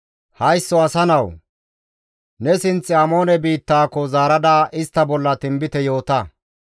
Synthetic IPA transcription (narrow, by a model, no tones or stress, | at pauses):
hɐjsːɔɐsɐnɐw | nɛsɪnt͡sːɪɐmo̞ːnɛbiːt̪ːaːkːɔzaːɾɐd̪aːʔɪst̪ːɐbɔlːɐt̪ɪmbɪt̪ɛjo̞ːt̪ɐ